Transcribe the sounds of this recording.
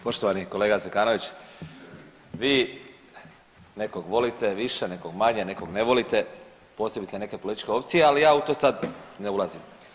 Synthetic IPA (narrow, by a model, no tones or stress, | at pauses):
po̞ʃt̪oʋaniko̞le̞ːɡasekaːno̞ʋit͡ɕ | ʋiː | nekoɡʋo̞lit̪eʋiʃene̞koɡmaɲene̞koɡneʋo̞lit̪e̞ | po̞ːsebit̪sane̞kepolit̪i̥t͡ʃkʲe̞o̞p̚t̪sijealijaːut̪oːsad̪neulˠazim